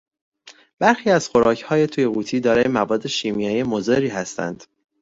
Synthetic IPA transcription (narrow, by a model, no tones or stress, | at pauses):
b̥æɾxiːæz̥xo̞ɾɒːcʰhɒːje̞t̪ʰuːje̞ɣuːt̪ʰiːd̪ɒːɾɒːje̞mævɒːd̪ːe̞ʃiːmijɒːjiemozeɾiːɦæst̪æ̰nd̪̥